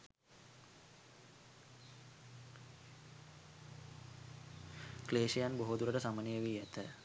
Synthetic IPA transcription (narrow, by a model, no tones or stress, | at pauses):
kleːʃejanboɦod̪uɾəʈəsamənejəʋiːæt̪ə